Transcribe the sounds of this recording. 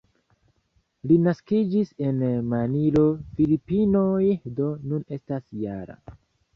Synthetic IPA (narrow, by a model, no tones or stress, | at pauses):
linaskid͡ʒise̞nmanilo̞filipinojdo̞nune̞stasjaɾa̰